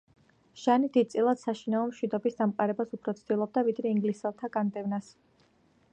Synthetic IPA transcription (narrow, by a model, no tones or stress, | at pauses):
ʃanid̪id̪̚tsʼilˠad̪̥saʃinaɔmʃwid̪ɔbisd̪amqʼaɾɛbasupʰɾɔt̪sʰd̪ilˠɔb̚d̪avid̪ɾɛiŋɡlisɛlˠt̪ʰaɡand̪ɛvnas